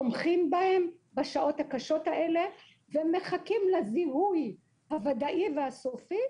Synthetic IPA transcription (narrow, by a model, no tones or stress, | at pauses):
omχimbahe̞mbaʃaʔo̞thakaʃo̞thaʔe̞le̞ | veme̞χakimlazihuj | havad̪aʔivehasufi